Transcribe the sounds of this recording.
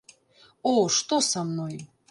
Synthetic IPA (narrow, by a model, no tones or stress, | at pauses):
oʂt̪osamnoj